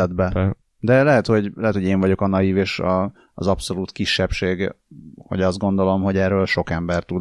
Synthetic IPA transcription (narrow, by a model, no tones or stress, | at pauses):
ɛd̪bɛ | d̪ɛlɛɦɛt̪ho̞ɟlɛɦɛt̪ho̞ɟeːɱvɒɟo̞kɒnɒjiveːʃɒː | zɒpso̞luːt̪kiʃːɛpʃeːɡ | ho̞̰ɟɒzd̪ɡo̞nd̪o̞lo̞mɦo̞ɟɛːrøːlʃo̞kɛmbɛrt̪ud̪